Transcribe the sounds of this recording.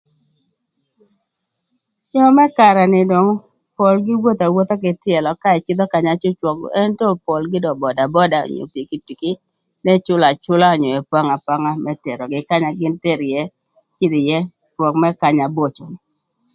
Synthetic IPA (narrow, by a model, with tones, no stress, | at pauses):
ɲɔ˦mɛ˦ka˨ɾa˨nɪ˨dɔ˨ŋ | pɔ˨lɡɪ˦wo˦t̪a˨wo˦t̪a˦kɪ˨tɪ˦ɛ˨lɔ˨ka˦ɛ˨t͡ʃɪ˦d̪ɔ˦ka˨ɲa˦t͡ʃʊ˦t͡ʃwɔ˨ɡ̰ʔɛ˦ntɔ˦pɔ˨lɡɪ˦dɔ˨bɔ˨da˨bɔ˦da˨ɔ̰˨ɲo̰˨pi˨ki˦ti˨ki˦ | nɛ˦t͡ʃʊ˦la˨t͡ʃʊ˦la˦ɔ˨ɲɔ˨ɛ˨pwa˦ŋa˨pa˦ŋa˦mʔɛ˦tɛ˨ɾɔ˨ɡɪ˨ka˦ɲa˨ɡɪ˦nte˦ɾjɛ˦ | t͡ʃɪ˦d̪ɪ˨jɛ˦ | ɾwɔ˨kmɛ˦ka˦˨ɲa˨bo˦t͡ʃɔ˨nɪ˨